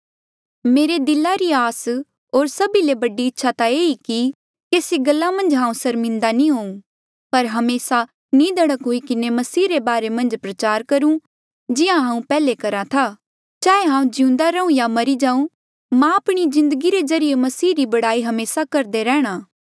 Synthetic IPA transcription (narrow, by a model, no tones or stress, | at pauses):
meːɾed̪ɪlaɾiaːs | ɦoːɾsɐbilebɐɖiɪtːʃʰat̪aeːiki | keːsiɡɐlːamɐ̃nd͡ʒɦãːũsɐɾmɪ̃nd̪anĩɦoːũ | pɐɾɦɐmeːsa | nĩd̪ʱɐɽəkɦoikɪnemɐsiːɾebaːɾemɐ̃nd͡ʒpɾɐt͡ʃaːɾkɐɾũ | d͡ʒɪãɦãːũpɛːlekɐɾat̪ʰaː | t͡ʃaːeɦãːũd͡ʒiũnd̪aɾɐũjamɐɾid͡ʒãːũ | mãɐpɽ̃izɪ̃nd̪əɡiɾezɐɾijemɐsiːɾibɐɽaːiɦɐmeːsakɐɾd̪eɾɛːɽ̃aː